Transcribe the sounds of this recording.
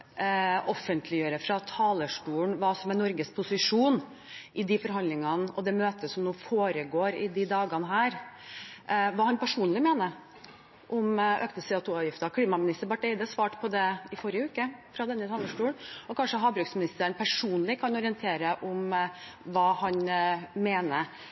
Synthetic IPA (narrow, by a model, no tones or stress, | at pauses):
ʔɔfːənt̪ʰlɪjøːɾəfɾɑt̪ʰɑːləʂʈuːəɳʋɑːsɔmɛnɔɾɡəspʰʊsɪʂuːn | ʔɪd̪ɪfɔɾɦɑnd̪lɪŋɑnɔd̪ɛmøːt̪əssɔmnuːfoːɾəɡoːɾɪd̪ɪd̪ɑːɡɑnəɦæːɾ | ʋɑːhɑnpæʂuːnlɪmeːnə | ʔʊmøːkt̪əsɛɑt̪ʰuːɑʋjɪft̪ɑkʰliːmɑmɪnɪst̪əɾbɑʈɛɪd̪əsʋɑːʈpʰɔd̪ɛɪfɔɾɪəʉːkəfɾɑd̪ɛnːət̪ʰɑːləʂʈuːɳɔkʰɑnʂəɦɑːbɾʉɡsmɪnɪst̪əɳpʰæʂuːnlɪkʰɑnɔɾɪənt̪ʰeːɾəʔʊm | ʋɑːhɑnmeːnə